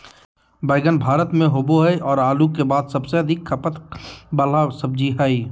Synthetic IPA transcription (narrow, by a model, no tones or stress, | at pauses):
bəɪɡənbʱaːɾət̪mẽɦoboɦɛʔɔːɾaːlukebaːd̪səbseɐd̪ʱɪkkʰːəpət̪bəlasəbd͡ʒiɦɛi